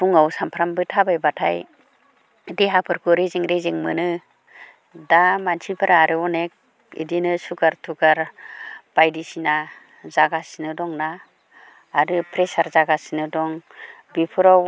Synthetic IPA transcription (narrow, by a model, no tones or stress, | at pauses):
pʰuŋawsampʰɾambɯtʰabajbatʰa̰j | diɦapʰɯɾkʰuɾeziŋɾeziŋmɯnɯ | damansʰibʰaɾaɾɯɔnek̚ | ḭdinɯsukaɾtʰukaɾb̥ajdisina | zaɡasinɯdɔŋnaː | ɾɯpɾesaɾzaɡasinɯdɔŋ | bipʰuɾaw